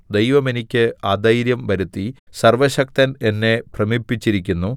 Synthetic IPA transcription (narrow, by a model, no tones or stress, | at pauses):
d̪e̞jʋɐme̞nikʲːɨaːd̪ɐjɾjɐmʋɐɾut̪ːisɐrʋɐɕɐk̚t̪ɐne̞nːe̞prɐmipːit͡ɕːiɾik̬ʲːunːu